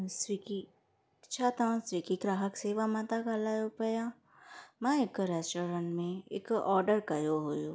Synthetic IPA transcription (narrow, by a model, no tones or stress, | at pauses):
swiki | t͡ʃʰat̪ãswikikɾaːɦəkseːʋamat̪akalajopɐjã | mãɪkɾɛːsʈɔːɾə̃ɳʈmẽɪ̰kɔːɾɖəɾkɐjoɦojo